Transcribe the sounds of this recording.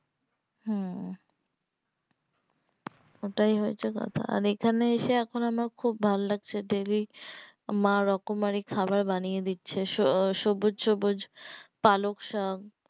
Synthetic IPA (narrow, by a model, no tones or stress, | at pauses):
ɦɛ | oʈajɦoet͡ɕʰekɔ̰t̪ʰa̰a̰ɾekʰaneeʃeɛkʰonamaɾkʰubːʱalːaɡ̚t͡ɕʰeɖeli | maɾɔkomaɾikʰabaɾbanijed̪itːɕʰeʃoʃobod͡ʑʃobod͡ʑpalokʃɔɡ